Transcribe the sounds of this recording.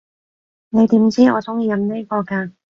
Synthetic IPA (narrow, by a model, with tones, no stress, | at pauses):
ne˨˧jt̪iː˨˥mt͡siː˥ɔː˨˧t͡sʊ˥ŋjiː˧jɐ˨˧mniː˥kɔː˧kaː˧